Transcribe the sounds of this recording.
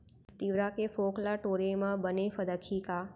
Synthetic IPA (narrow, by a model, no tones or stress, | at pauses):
t̪iʋɾãkefoklaʈoɾemãbənefəd̪əkʰika